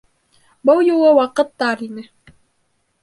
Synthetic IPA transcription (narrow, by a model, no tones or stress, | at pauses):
bɤlˠjulˠɤwɑqɤ̆t̪ːɑɾinɘ